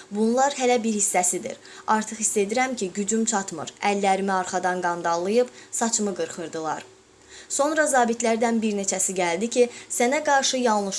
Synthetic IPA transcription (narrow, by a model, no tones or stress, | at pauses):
bunlˠɑɾɦælæbiɾhisːæsid̪ḭɾ | ɑɾt̪ʰɯχist̪e̞d̪iɾæmcʰiɟyd͡ʒymt͡ʃʰɑt̪mɯ̰ɾælːæɾimiɑɾχɑd̪ɑnɡɑnd̪ɑlˠːɯjɯbsɑt͡ʃʰɯmɯɡɯɾχɯɾd̪ɯlˠɑ̰ɾ | so̞nɾɑzɑːbit̪ʰlæɾd̪ænbiɾne̞t͡ʃʰæsiɟæld̪icʰisænæɡɑɾʃɯjɑlˠnɯʃ